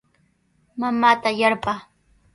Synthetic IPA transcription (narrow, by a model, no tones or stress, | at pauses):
mamaːt̪ajaɾpaː